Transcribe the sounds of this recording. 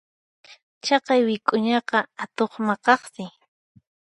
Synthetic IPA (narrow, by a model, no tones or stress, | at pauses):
t͡ʃɑqɑjwɪkʼʊɲɑqɑat̪oχmɑqɑχsɪ